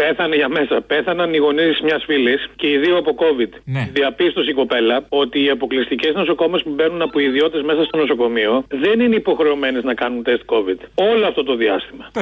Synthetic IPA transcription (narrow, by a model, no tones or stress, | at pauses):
pe̞θɐneʝɐme̞sɐpe̞θɐnɐniɣo̞nizizmɲɐsfilisce̞iðioɐpo̞ko̞vid̪ðiɐpist̪o̞s̬iko̞pe̞lɐo̞t̪iːɐpo̞klist̪ice̞zno̞so̞ko̞me̞spube̞nunɐpoiðio̞t̪e̞zmesɐst̪o̞no̞so̞ko̞mio̞ðe̞nineipo̞xɾe̞ome̞neznɐkɐnunt̪e̞st̪̚ko̞vid̪̥o̞loɐft̪o̞t̪o̞ðiɐst̪imɐ